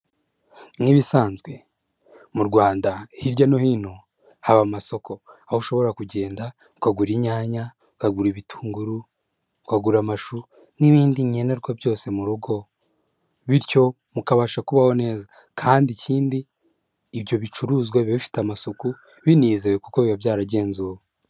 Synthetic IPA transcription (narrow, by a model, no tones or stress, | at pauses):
ŋiβisaːnzɡwe̞ | muɾɡwaːndahiɾɟanohino̞ | haβamaso̞ko̞ahouʃo̞βo̞ɾakuɟe̞ːnda | ukaɡuɾiɲaːɲa | ukaɡuɾiβitʰu̥ːŋɡuɾu | ukaɡuɾamaʃu | niβiːndiɲeneɾɡwabjo̞ːse̞muɾuɡo̞ | βiɾco̞ | mukaβaʃakuβaho̞ne̞ːza | kʰaːndiciːndiː | βjo̞βit͡ʃuɾuːzɡwaββifi̥tamasoku | βiniːzeβekukoβiβabjaːɾaɟe̞ːnzuwo